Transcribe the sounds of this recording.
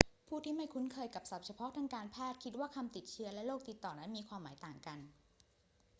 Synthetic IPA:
pʰuː˥˩t̪ʰiː˥˩ma˥˩jkʰu˦˥nkʰɤː˧jka˨˩p̚sa˨˩p̚t͡ɕʰa˧pʰɔ˦˥t̪ʰaː˧ŋkaː˧npʰɛː˥˩t̪̚kʰi˦˥t̪̚waː˥˩kʰa˧mt̪i˨˩t̪̚t͡ɕʰi˦˥ɐlɛ˦˥loː˥˩k̚t̪i˨˩t̪ːɔː˨˩na˦˥nmiː˧kʰwaː˧mːaː˩˦jt̪aː˨˩ŋka˧n

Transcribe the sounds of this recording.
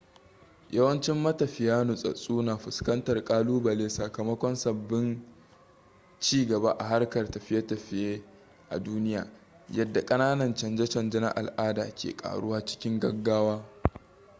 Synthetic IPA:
jʔɐ˦wɐ˦nt͡ʃɪ˦mːɐ˦tɐ˨ɸɪ˨jaː˦nʊ˨sʼɐ̰˨sʼuː˦naː˨ɸʊ˨skɐ˦ntɐ˨rkʼaː˦luː˦bɐ˨leː˦sɐ˨kɐ˨mɐ˦kʷɔ˦nsɐ˨bːɪ˦n | t͡ʃiː˦ɡɐ˨ba˦ʔa̰˨ɦa˦rkɐ˨rtɐ˨ɸɪ˦ja˦tɐ˨ɸɪ˦jeː˦ | ʔa̰˨duː˦nɪ˦ja̰ː˨ | jɐ˦dːa˨kʼɐ˦naː˦nɐ˨nt͡ʃɐ˨nd͡ʒɛ˦t͡ʃɐ˨nd͡ʒɐ˦na̰˦ʔa̰˨lʔaː˦da̰ː˨kʲʰḛː˨kʼa̰ː˨ɽʊ˦waː˦t͡ʃɪ̥˦kʲɪ˦ŋɡɐ˦ɡːaː˦waː˦

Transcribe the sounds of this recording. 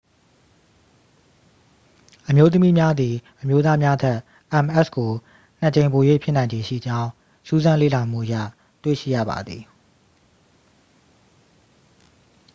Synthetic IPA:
ʔəmjo˦t̪̬ə˦mi˦mja˦d̪i˨ʔə˨mjo˦t̪̬a˦mja˦t̪ʰɛ˦ʔ | ʔɛ̃˨mʔɛ˦˨sko˨ | n̥ə˨t͡ɕẽ˨ɪ̃mpo˨jwḛ˦˨pʰjɪ˦nã˨ɲd͡ʑẽ˨ʃḭ˦˨d͡ʑã˦ʊ̃ | su˦zã˦lḛ˦˨la˨m̥ṵ˦˨ʔəjä̰˦˨ | twḛ˦˨ʃḭ˦˨jä̰˦˨ba̰˨d̪ði˨

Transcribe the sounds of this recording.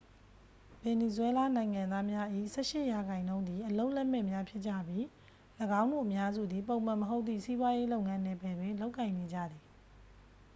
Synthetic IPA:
b̥ɛ˨ni˨zwɛ˦la˦nã˨ɪ̃ŋã˨nd̪a˦mja˦ʔḭ˦˨sɛ̰˦ʃɪ˦ʔja˨ɡã˨ɪ̃nõ˦ʊ̃nd̪ði˨ʔəlo˦ʊʔlɛ˦ʔmɛ˦˨mja˦pʰjɪ˦ʔ̚t͡ɕä̰˦˨bji˦ | ləɡã˦ʊ̃ndṵ˦˨ʔəmja˦zṵ˦˨d̪ði˨põ˨ʊ̃m̥ã˨məɦo˦ʊt̪̚θḭ˦˨si˦bwa˦je˦lo˦ʊʔŋã˦nɛ˦˨pɛ˨dwɪ̃˦˨nlo˦ʊkːã˨ɪ̃ne˨d͡ʑä̰˦˨d̪i˨

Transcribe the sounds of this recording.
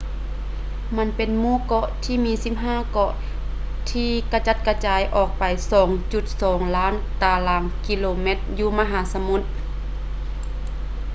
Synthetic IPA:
ma˧˥˨npe˨nmuː˧˥˨kɔ˧˥ʔt̪ʰiː˧˨miː˧˥si˧˥p̚ɦaː˧˥˨kɔ˧˥ʔ | t̪ʰiː˧ka˧t͡ɕa˧˥t̪̚ka˧t͡ɕaː˨˧˦jʔɔː˧˩k̚pa˨jsɔː˨˩˦ŋt͡ɕu˧˩t̪̚sɔː˨˦ŋlaː˦˥˨n | t̪aː˧˩laː˨˦ŋki˧˥loː˧me˧˥t̪̚juː˧ma˧ɦaː˨˦sa˧mu˧˦t̪̚

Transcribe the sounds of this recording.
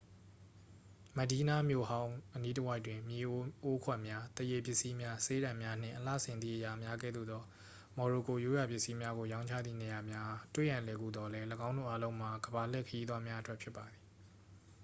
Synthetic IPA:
mə˨di˦na˦˨mjo˦˨hã˦ʊ̃ʔəni˦tə˦wa˦ɪtwɪ̃˨mje˨ʔo˦kʰwɛ˦˨ʔmja˦t̪əje˨pjɪ˦ʔsi˦mja˦se˦ɾã˨mja˦n̥ɪ̰̃˦˨ʔəla̰˦˨sɪ̃˨nðḭ˦˨ʔəja˨mja˦ɡɛ̰˦˨d̪ṵ˦˨d̪ɔ˦ | mɔ˨ɹo˨ko˨jo˦ja˨pjɪ˦ʔsi˦mja˦ɡo˨jã˦ʊ̃t͡ɕʰä̰˦˨d̪ðḭ˦˨ne˨ja˨mja˦˨twḛ˦˨jã˨lɛ˨ɡṵ˦˨d̪ɔ˦lɛ˦ləɡã˦ʊ̃ndo̰˦˨ʔa˦lõ˦ʊ̃m̥a˨ɡəba˨l̥ɛ˦˨kʰə˨ji˦d̪wa˦mja˦ʔətwɛ˦ʔpʰjɪ˦pːa˨d̪ði˨

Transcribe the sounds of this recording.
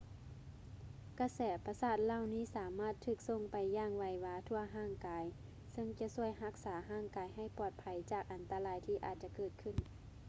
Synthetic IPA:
ka˧˩sɛː˨˩˦pa˧saː˧˩t̪̚laː˧˨wniː˧˥˨saː˨˦maː˧˥˩t̪ʰːɯː˧˩k̚so˧˩ŋpa˨jːaː˧˩ŋʋa˧jʋaː˧t̪ʰu˧ɐɦaː˧˥˩ŋkaː˨˦j | sɤ˧˨ŋt͡ɕa˧˦su˧˩əjɦa˧˥k̚saː˩˦ɦaː˧˩˨ŋkaː˨˧˦jɦa˧˩jpɔː˨˩t̪̚pʰa˨˦jt͡ɕaː˧˨˩k̚ʔa˨˦nt̪a˧laː˧˩jt̪ʰiː˧˩ʔaː˨˩t̪̚t͡ɕa˧˦kɤː˧˩t̪̚kʰɯ˧˩˨n

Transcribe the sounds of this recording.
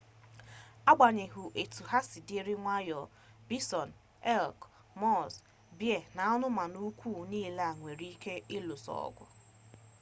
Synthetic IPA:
a˦ɡ͡ba˨ɲe˨ɦu˨ʔe˨tu˨ɦa˦si˨di˦ɾi˦ŋʷa˦jɔ˨ | bi˦sɔ˨n | ɛ˦lk | mɔ˦˨s | bje˦˨na˨ɔ˦nʊ˦ma˨nu˦kʷuː˦˨niː˦˨la˦a˨ŋʷe˨ɾi˦ke˦ɪ˦lo˨sɔ̰˦˨ɔ̰˦ɡʷʊ̰˦

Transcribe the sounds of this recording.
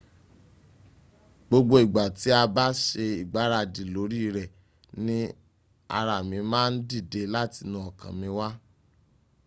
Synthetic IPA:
ɡ͡bo˧ɡ͡bo˧i˨ɡ͡ba˨ti˨˦a˧ba˦ʃe˧i˨ɡ͡ba˨˦ɾa˧˨di˨lo˨˦ɾi˦˧ɾɛ˨ | nĩ˦ | a̰˧ɾa˨mĩ˧mãː˦n̩˦di˦˨de˧la˦ti˧nũ˧ɔ˨kã̰˨mĩ˧wa˦

